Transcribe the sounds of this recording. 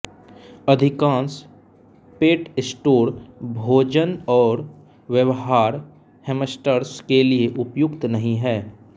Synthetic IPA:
əd̪ʱɪkãːns | peːʈɪsʈoːɾbʱoːd͡ʒənɔːɾ | ʋjəʋɦaːɾ | heməsʈəɾskelieʔʊpjʊkt̪nɐɦĩɦɛː

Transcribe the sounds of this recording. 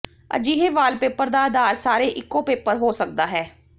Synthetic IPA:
ə̰d͡ʒiːɦeːʋaːlpeːpəɾd̪aːəd̪aːɾsaːɾeːʔɪkːõːpeːpəɾɦoːsək̚d̪aːɦɛː

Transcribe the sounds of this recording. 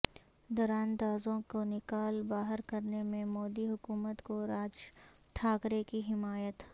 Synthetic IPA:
d̪ɔːɾaːnd̪aːzõkonɪkaːlbaːɦəɾkɐɾnemẽmoːd̪iɦʊkuːmət̪koɾaːd͡ʒ | ʈʰaːkɾekiɦɪmaːjət̪

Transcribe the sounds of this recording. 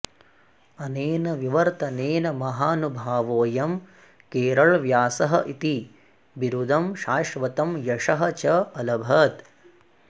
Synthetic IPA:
ɐneːnɐʋiʋɐɾt̪ɐneːnɐmɐɦaːnubʱaːʋoːjɐm | keːɾɐɭʋjaːsɐɦɐʔit̪i | biɾud̪ʱɐmʃaːʂʋɐt̪ɐmjɐʂɐɦɐt͡ʃɐɐlɐbʱɐt̪

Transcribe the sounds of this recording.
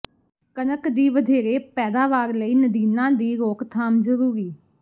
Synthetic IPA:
kənəkd̪iːʋəd̪ʱeːɾeːpɛːd̪aːʋaːɾləiːnəd̪iːnãːd̪iːɾoːkt̪ʰaːmzəɾuːɾiː

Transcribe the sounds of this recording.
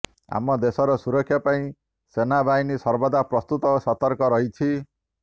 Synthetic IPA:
ɦa̰mɔd̪esɔɾɔsuɾɔkʰːjapaĩ | senabajnisʌɾbɔd̪aprɔst̪ut̪ɔsɔt̪ɔɾkɔɾʌɦit͡sʰi

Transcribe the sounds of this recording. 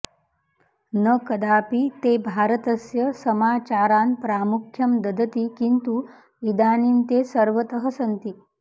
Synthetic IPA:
nəkɐd̪aːpit̪ebʱaːɾət̪əsjɐsɐmaːt͡ʃaːɾaːnpɾaːmukʰːjɐmd̪ɐd̪ʱət̪ikint̪u | id̪aːnint̪esəɾʋət̪əɦəsɐnt̪i

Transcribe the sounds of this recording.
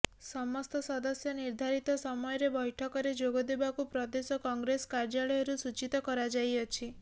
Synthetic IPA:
ssɔmɔst̪ɔsɔd̪ɔsjɔniɾd̪ʱaɾit̪ɔsɔmɔjɔɾebɔjʈʰɔkɔɾed͡ʒoɡɔd̪ebakupɾɔd̪esɔkɔŋɡɾesɔ̥kaɾd͡ʒaɭɔjɔɾusut͡ʃit̪ɔkɔɾad͡ʒajɔt͡ʃʰi

